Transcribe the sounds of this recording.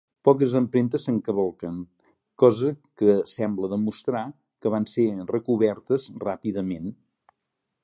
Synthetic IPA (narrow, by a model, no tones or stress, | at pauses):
pɔk̬əzəmpɾent̪̬əsəŋkəβəlˠkəŋ | kɔzəkəsɛmbləðəmust̪ɾa | kəβ̞anserəkuβɛɾt̪əzrapiðəmen